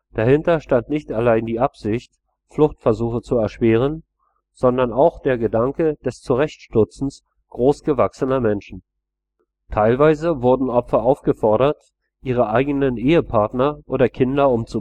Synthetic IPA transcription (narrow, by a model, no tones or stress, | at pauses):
d̥ahɪntɐʃtantnɪçtalaɪndiːʔapz̥ɪçt | flʊxtfɛɐzuːxət͡suɛɐʃv̥ɛːʁ̞ən | z̥ɔndɐnaʊxd̥eːɐɡədaŋkəd̥ɛst͡suʁɛçtʃtʏt͡sn̩s | ɡ̥ʁoːsɡ̥əvaksənɐmɛnʃn̩ | tʰaɪlvaɪzəvʊɐdn̩ʔɔpfɐʔaʊfɡ̥əfɔɐɾɐt | ʔiːʁ̞əʔaɪɡənənʔeːəpʰaɐtnɐʔoːdɐkʰɪndɐʊmt͡su